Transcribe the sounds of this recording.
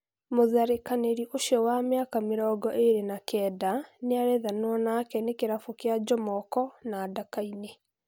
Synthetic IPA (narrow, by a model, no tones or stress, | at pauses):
moðaɾekaneɾiʔoʃjɔwamjakameɾɔːɡɔʔeɾenakɛːdaneaɾɛðanwɔnakɛnekeɾafokead͡ʒɔmɔkɔnaːdakaine